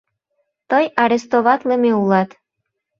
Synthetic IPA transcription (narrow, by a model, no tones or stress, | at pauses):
t̪ɤjɑɾest̪oβɑt̪lemeulɑt̪